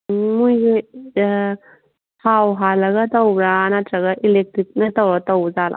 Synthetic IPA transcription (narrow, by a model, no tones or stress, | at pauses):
mujɡi | pʰawɦalɐɡɐt̪awɾanatɾɐɡɐʔilek̚tɾik̚nɐtawɾatawzala̰